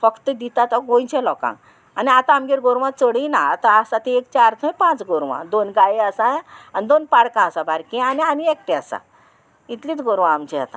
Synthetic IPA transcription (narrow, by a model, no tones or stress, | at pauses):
fəkt̪əd̪it̪at̪ɔɡõjt͡ɕɛ̃lɔkã̰ | aniat̪ãːmɡeɾɡoɾʋãt͡səɽinaːt̪aːsãt̪eek̚t͡ɕaaɾt̪ʰəpãt͡sɡoɾʋã̰d̪onɡajiəsaanid̪onpaɽkãəsãbaɾkẽaniamiek̚ʈeasã̰ | it̪liːt̪ɡoɾʋãːmt͡ɕɛat̪ã̰